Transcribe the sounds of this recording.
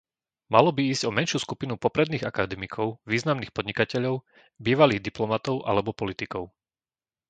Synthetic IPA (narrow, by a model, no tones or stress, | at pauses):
malɔbiiːzɟɔmɛnʃjuːskupinupɔpɾɛd̪niːɣakad̪ɛmikʰɔʊʋiːznamniːxpɔd̪ɲikacɛʎɔʊ | biːʋaliːɣd̪iplɔmat̪ɔʊʔa̰lɛbɔpɔlit̪ikɔʊ